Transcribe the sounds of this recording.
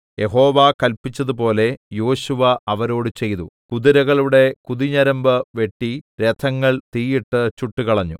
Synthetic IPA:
je̞ɦo̞ːʋakɐlpit͡ɕːɐðup̬o̞ːle̞jo̞ːɕuʋɐʔɐʋɐɾo̞ːɽɨt͡ɕe̞jðukuðiɾɐɣɐɭuɽe̞kuðiɲɐɾɐmbɨʋe̞ʈːiɾet̪ʰɐŋːɐɭt̪iːjiʈːɨt͡ɕuʈːukɐɭɐɲːu

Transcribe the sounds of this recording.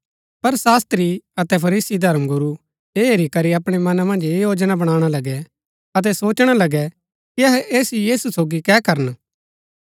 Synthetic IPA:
pɐɾsaːst̪ɾiɐt̪ɛpʰɐɾiːsid̪ʱɐɾmɡʊɾu | eːɦeɾikɐɾiɐpɽ̃emɐnamɐ̃nd͡ʒeːjoːd͡ʒnabɐɽ̃aːɽ̃alɐɡɛ | ɐt̪̬ɛsoːt͡ʃɽ̃alɐɡɛ | kiɐɦɛʔeːsijiːsusoːɡikɛːkɐɾən

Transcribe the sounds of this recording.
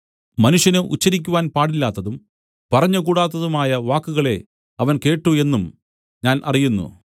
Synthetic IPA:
mɐnuʂjɐnɨṵt͡ɕːɐɾik̬ʲːuʋaːnpaːɽilːaːt̪ːɐðum | pɐrɐɲːɐkuːɽaːt̪ːɐðumaːjɐʋaːkːuɣɐɭe̞ | ɐʋɐnke̞ːʈːue̞nːum | ɲaːnʔɐ̰rijunːṵ

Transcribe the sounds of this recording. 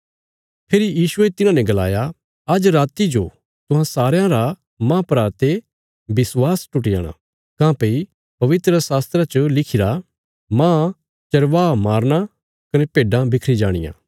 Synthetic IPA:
pʰeːɾijiːsuet̪ɪnãnɛ̃ɡɐla̰ːja | ɐd͡ʒɾaːt̪id͡ʒo̰ | t̪ʊɦãsaːɾjãɾa | mãːpɾaːɾt̪e | bɪswaːsʈʊʈɪja̰ːɽ̃a̰ | kãːpei | pɐʋɪt̪ɾəsaːst̪ɾat͡ʃəlɪkʰɪɾa | mãː | t͡ʃɐɾʋaːmaːɾña | kɐnɛpeːɖãbɪkʰɾid͡ʒaːɽ̃ɪ̰jã̰ː

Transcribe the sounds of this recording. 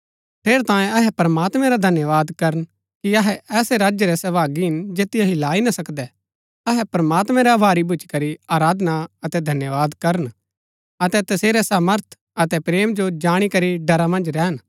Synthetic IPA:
pʰeːɾt̪ãːjẽɐɦɛpɐɾɐmaːt̪mɛ̃ɾad̪ʱɐnjəʋaːd̪kɐɾən | kiɐɦɛʔɛːsɛɾaːd͡ʒjəɾɛsɐbaːɡiɦɪnd͡ʒeːt̪ɪjaɦilaːinɐsɐkd̪ɛ | ɐɦɛpɾɐmaːt̪mɛ̃ɾɛʋʱaːɾibʱʊt͡ʃi̥kɐɾiaːɾaːd̪naɐt̪ɛd̪ʱɐnjəʋaːd̪kɐɾən | ɐt̪ɛt̪ɐseːɾɛsaːməɾt̪ʰ | ɐt̪ɛpɾeːmd͡ʒod͡ʒaːɽ̃ikɐɾiɖɐɾamɐ̃nd͡ʒɾɛːɦən

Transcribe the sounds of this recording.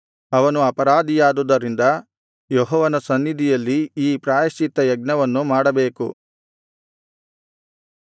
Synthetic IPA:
ɐʋɐnuɐpɐɾaːd̪ijaːd̪ud̪ɐɾind̪ɐ | jɔɦɔːʋɐnɐsɐnːid̪ʱijɐlːiiːpɾaːjɐʃit̪ːɐjɐɡ̚nɐʋɐnːumaːɽɐbeːkṵ

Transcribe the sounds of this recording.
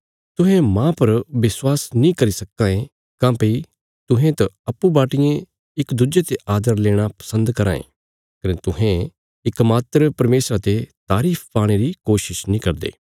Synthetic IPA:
t̪ʊɦẽmãːpɐɾʋɪswaːsnĩkɐɾisɐkːãːẽ | kãːpɐi | t̪ʊɦẽt̪ɐɐpːubaːʈɪjẽ | ɪkd̪ud͡ʒet̪eʔaːd̪əɾleːɽ̃apɐ̥sə̃nd̪kɐɾa̰ːḛ̃ː | kɐnet̪ʊɦẽ | ɪkmaːt̪ɾəpɐɾmeːsɾat̪et̪aːɾiːpʰpaːɽ̃eɾikoːʃɪʃnĩkɐɾd̪ḛː

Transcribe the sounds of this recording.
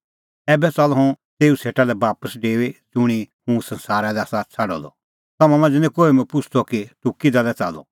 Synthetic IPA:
ɛːbɛt͡sɐlɔɦɔ̃t̪eːuseːʈalɛbaːpəsɖeːʋed͡zʊɽ̃ihũsɐ̃nsaːɾalɛasat͡sʰɐɽɔ̰d̪ɔ̰ | t̪ɐmãmɐ̃nd͡zenẽkoːimɛ̃pʊt͡ʃʰt̪ʰɔkiʈʊkid̪alɛt͡sa̰lɔ̰

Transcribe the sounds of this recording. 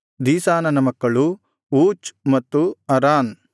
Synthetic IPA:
d̪iːsaːnɐnɐmɐkːɐɭu | uːt͡ʃmɐt̪ːuɐɾaːn

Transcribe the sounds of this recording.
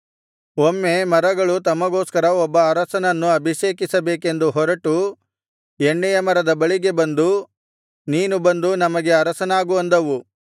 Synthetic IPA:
omːe̞mɐɾɐɡɐɭut̪ɐmːɐɡo̞ːskɐɾɐɔbːɐːɾɐsɐnɐnːuɐbʱiʃeːkisɐbe̞ːke̞nd̪uɦɔɾɐʈu | eɳːɛjɐmɐɾɐd̪ɐbɐɭiɡe̞bɐnd̪u | niːnubɐnd̪unɐmɐɡe̞ɐɾɐsɐnaːɡuʋɐnd̪ɐʋu

